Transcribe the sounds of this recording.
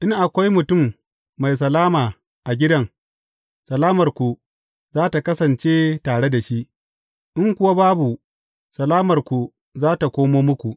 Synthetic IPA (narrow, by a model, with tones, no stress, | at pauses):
ʔɪ˦ŋʔa˨kʷa˦jmʊ˨tʊ˦˨mː | a˨js̬ɐ˨laː˦maː˨ | ʔa˨ɡʲɪ˦dɐ˦˨ŋ | sɐ˨laː˦mɐ˨rkʷu˨ | zaː˦ta˨kɐ˦sɐ˨nt͡ʃeː˦taː˨ɽe˦da˨ʃi˦ʔ | ʔɪ˦ŋkʷʊ˦wa˦baː˦bu˨ | sɐ˨laː˦mɐ˨rkʷu˨ | zaː˦ta˨kʷoː˦moː˦mʊ˦kʷu˨ʔ